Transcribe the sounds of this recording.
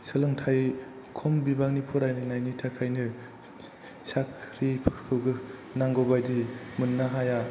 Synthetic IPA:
sɯlɯŋtʰaj | kʰɔmbibak̚nipʰuɾajnɯnajnitʰakʰajnɯ | sakʰɾipʰkʰɯɡɯnaŋɡɔbajdimɯnːaɦaja

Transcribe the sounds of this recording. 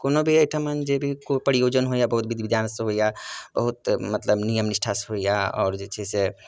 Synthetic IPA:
konobʱiəʈʰamənd͡ʒebʱikopəɾijod͡ʒənɦoijabəɦut̪̚bid̪bid̪jansɦoijabəɦut̪mət̪ləbnijəmnisʈʰasɦoijaɔ̰ːɾd͡ʒet͡ʃʰəse

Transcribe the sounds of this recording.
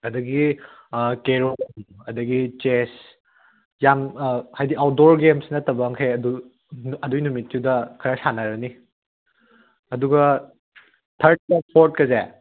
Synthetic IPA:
ɐdɐɡi | keɾomɐdɐɡit͡ʃes | jamhajdiʔawdoɾɡemsnɐtɐbɐŋkʰeɐdu | ɐdujnumitːudɐkʰɐɾɐsanɐɾɐni | ɐduɡɐ | tʰɐɾt̚pak̚pʰoɾt̚kɐze

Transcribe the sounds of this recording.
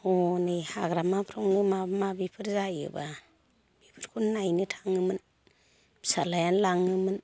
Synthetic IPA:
ɔnɯjha̰ɡɾamapʰɾɔŋnɯmabmabipʰɯɾzajɯ̰ba | b̥ipʰɯɾkʰunːajnɯtʰḁŋɯmɯn | bsalajanlaŋɯmɯn

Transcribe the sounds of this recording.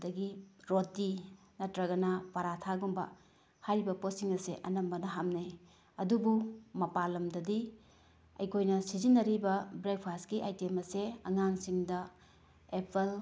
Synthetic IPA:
dɐɡiɾotːi | nɐtɾɐɡɐnɐpaɾatʰaɡumbɐ̰ | hajɾibɐposiŋɐseʔɐnɐmbɐnɐɦamnaj | ɐdubumɐpalɐmdɐdi | ɐ̰jkʰojnɐsizinːɐɾibɐbɾek̚pʰaskiʔajtemɐseɐ̰ŋaŋsiŋdɐ | epʰel

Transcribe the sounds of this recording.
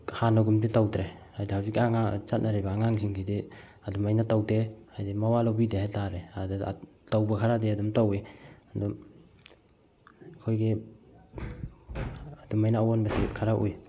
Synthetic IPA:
hanaɡumditawdɾehajdihawzikaŋat͡ʃat̚naɾebaːŋaŋsiŋkʰide | adumajnatawdeajdemawalobidehajtaɾead̰ | tawbakʰaɾadeadumtaweadɔm | kʰojɡe | adumajnaːwanbasikʰaɾaʔuj

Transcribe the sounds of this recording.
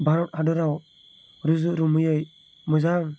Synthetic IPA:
bʱaɾɔtadɔɾaw | ɾuzuʔɾumɯjɯj | mɯzaŋ

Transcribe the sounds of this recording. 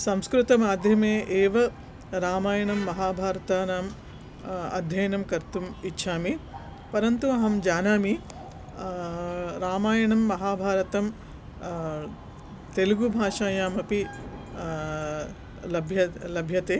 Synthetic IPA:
sɐmskɾut̪ɐmaːd̪ʱjɐmeːʔeːʋɐ | ɾaːmaːjɐɳɐmːɐɦaːbʱaːɾɐt̪aːnaːm | ɐ̰d̪ʱjɐjɐɳɐmkɐɾt̪umitːʃʰaːmi | pɐɾɐnt̪uɐɦɐmd͡ʒaːnaːmi | ɾaːmaːjɐɳɐmːɐɦaːbʱaːɾɐt̪ɐm | t̪eluɡubʱaːʂaːjaːmɐpi | lɐbʱjɐlɐbʱjɐt̪eː

